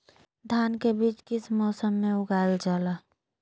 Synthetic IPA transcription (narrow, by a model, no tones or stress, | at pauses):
d̪ʱjaːnkebiːt͡ʃkɪsmɔːsəmːẽʊɡaːld͡ʒaːla